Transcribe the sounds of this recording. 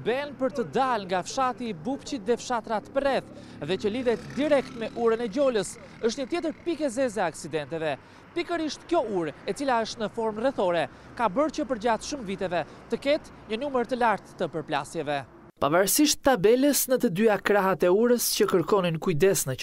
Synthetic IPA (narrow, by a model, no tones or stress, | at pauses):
bɛnpəɾt̪əd̪alŋɡafʃat̪iːbupt͡ɕit̪ðɛfʃat̪ɾat̪əpərɛθ | ðɛcəliðɛt̪d̪iɾɛkt̪mɛʔuɾənɛd͡ʑɔləs | əʃt̪ɲət̪jɛt̪əɾpikɛzɛzɛaksid̪ɛnt̪ɛvɛ | pikəɾiʃt̪kjɔuɾɛt͡silaəʃt̪nəfɔɾmrɛθɔɾɛ | kabəɾt͡ɕəpəɾd͡ʑat̪ʃuməvit̪ɛvɛ | t̪əkɛt̪ | ɲənuməɾt̪əlaɾt̪ːəpəɾpla̰sjɛvɛ | pavaɾsiʃt̪ːabɛləsnət̪əd̪yakɾaɦat̪ɛuɾəscəkəɾkɔninkujd̪ɛsnə